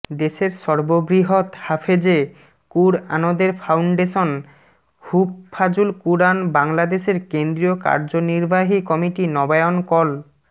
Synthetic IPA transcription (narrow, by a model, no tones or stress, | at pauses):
d̪eʃeɾʃɔɾbobɾiɦot̪hafʰed͡ʑe | kuɾa̰nod̪eɾfʰawɳɖeʃon | hupfad͡ʑulkuɾanbaŋlad̪eʃeɾkend̪ɾioka̰ɾd͡ʑoniɾbaɦikɔmiʈinɔbaeonkɔl